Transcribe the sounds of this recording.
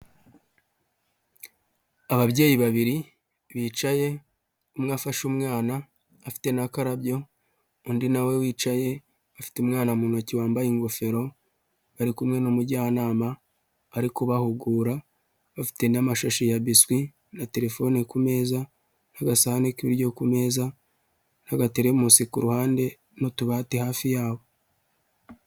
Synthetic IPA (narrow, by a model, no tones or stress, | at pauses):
aβaβɟe̞ːjiβaβiɾi | βiːt͡ʃaje̞ | umŋaːfaʃumŋaːnaː | fi̥te̞nakaɾabjo̞ | undinawe̞wiːt͡ʃaje̞ | afi̥teumŋaːnamuːnociwaːmbajiŋɡo̞fe̞ɾo̞ | βaɾikumŋe̞nomuɟanaːmaː | ɾikuβahuɡuːɾa | βafi̥te̞namaʃaʃijaβiswi | nate̞ɾe̞fo̞nikume̞ːza | naɡasahanekiβiɾɟo̞kume̞ːza | naɡateɾemusikuɾuhaːnde̞ | notuβahatehaːfijaːβo̞